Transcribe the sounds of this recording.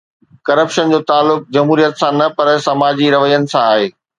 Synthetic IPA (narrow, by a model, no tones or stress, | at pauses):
kɐɾəpʃənd͡ʑoːt̪aːlːʊk̚d͡ʑɐmɦuːɾijət̪sãnɐpɐɾsɐmaːd͡ʑiɾɐʋəjənɪ̆sãaːɦeː